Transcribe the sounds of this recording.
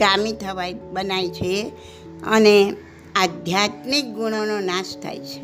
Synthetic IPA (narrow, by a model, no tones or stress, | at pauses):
kamit̪ʰəbajbənajt͡ʃʰe | ʌ̰ne | ad̪ʱjat̪nik̚ɡuɽ̃ononast̪ʰa̰jt͡ʃʰe̥